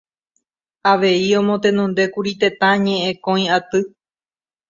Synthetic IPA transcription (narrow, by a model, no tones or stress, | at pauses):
aʋe̞iõ̞mõ̞t̪ẽ̞nõnd̪e̞kuɾit̪e̞t̪ãɲẽ̞ʔẽkõj̃at̪ɨ